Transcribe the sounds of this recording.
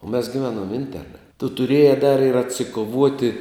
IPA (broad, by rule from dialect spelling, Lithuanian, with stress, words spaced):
oː mʲɛs ɡʲɪˈʋʲæːnoːm ˈɪnʲtʲɛrnɐ tʊ tʊˈrʲiɛjɛ dɐr ɪr ɐtʲsʲɪkoːˈʋuɔtʲɪ